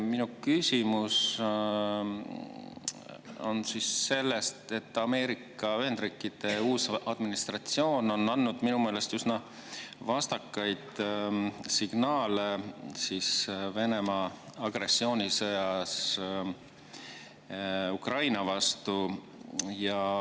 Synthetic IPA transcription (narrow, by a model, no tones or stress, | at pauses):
minukysʲimus | o̞̰nsisːe̞lːe̞st̪e̞t̪ːɑme̞ːɾikːˑɑyɦend̪̥riːkˑːid̪̥e̞uːsɑd̪̥minist̪rɑt̪sio̞ːno̞nɑnːud̪̥minume̞ːle̞st̪ysnɑ | vɑst̪ɑkːɑjd̪̥ | siɡ̥nɑːlesisve̞ne̞mɑɑɡ̥re̞sːio̞ːnʲisɤjɑs | ukrɑjnɑvɑst̪u | jɑ